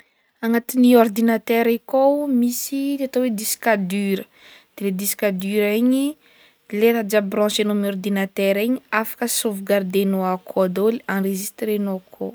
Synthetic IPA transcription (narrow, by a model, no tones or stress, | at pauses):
aŋat̪iniɔrd̪inat̪ɛɾikomisiat̪owed̪iskad̪yɾə | d̪̥eled̪isi̥kad̪yɾeɲi | leɾad͡ʒabrɑ̃senomɔrd̪inat̪ɛɾeɲiafḁkəsovɡard̪enoakʰod̪oliãreʒist̪ɾenoakʰo